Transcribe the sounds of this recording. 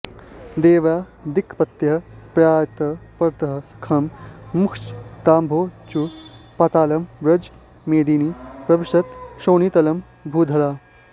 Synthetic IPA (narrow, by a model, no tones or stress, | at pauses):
d̪eːʋaːd̪ikʰːpɐt̪jɐpɾaːjɐt̪ɐpɐɾt̪ɐɦɐskʰɐmmukʰt͡ʃt̪aːmbʱoːt͡ʃupaːt̪aːlɐmbɾɐd͡ʒ | meːd̪iːnipɾɐbiʃɐt̪ʃoːnit̪ɐlɐm | bʱuːd̪ʱɐɾaː